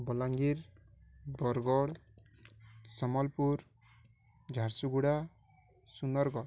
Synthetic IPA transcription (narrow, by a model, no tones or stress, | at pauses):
bɔlaŋɡiɾ | bɔɾɡɔɽ | sɔmɔlpuɾ | d͡ʒʱaɾsuɡuɽa | sunɔɾɡɔ